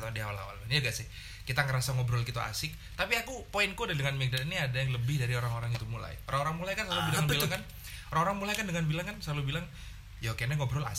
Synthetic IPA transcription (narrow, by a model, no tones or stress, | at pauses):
t̪adiawala̰wa̰lanjaɡaʔsɪh | kit̪aŋəɾasaŋɔbɾɔlkit̪ua̰sɪk̚t̪apiakupoɪnkudahdəŋanmɛk̚daniniadajaŋləbɪhdaɾioɾaŋoɾaŋit̪umula̰joɾaŋoɾaŋmulajkanslalubilaŋilaŋkan | oɾaŋoɾaŋmulajkandəŋanbilaŋkanslalubilaŋ | jakenaŋobɾɔla̰s